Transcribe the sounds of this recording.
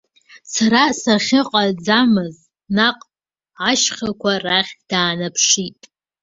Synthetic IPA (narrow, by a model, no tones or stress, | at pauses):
saɾasaχʲɪqʼad͡zamɨz | naqʼ | aʃχakʷʰaraχʲd̥aːnapʰʂitʼ